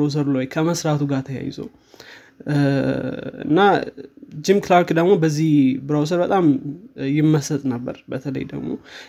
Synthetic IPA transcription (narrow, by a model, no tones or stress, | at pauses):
aws̬əɾloɔjkʰəməsɾat̪ʰuɡat̪ʰəja̰jɪ̰zə̰w | ɨ̰nːa | d͡ʒimklaɾkd̪əɡmo̞bəzːihbɾaws̬əɾbət̪ʼamjɪmːəsət̪ʼnəbːə̰ɾbət̪ʰələ̰jd̪ə̰ɡmo̞̰